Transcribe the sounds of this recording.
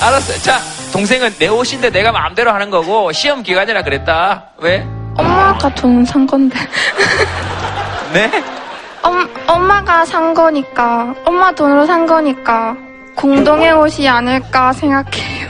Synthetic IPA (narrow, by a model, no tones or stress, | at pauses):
aɾas͈ʌt͡ɕatoŋs̬ʰe̞ŋɯnːe̞oɕʰinde̞ne̞ɡama̰mde̞ɾoɦanɯnɡʌɡoɕʰiʌmkiɡaɲiɾakɯɾe̞t̚t͈a | we̞ʌmːaɡatonɯsʰaŋɡʌnde | ne̞ | ʌmʌmːaɡasʰaŋɡʌɲik͈aʌmːatonɯɾosʰaŋɡʌɲik͈a | koŋdoŋeŋoɕʰianɯɭk͈asʰe̞ŋɡakʰejo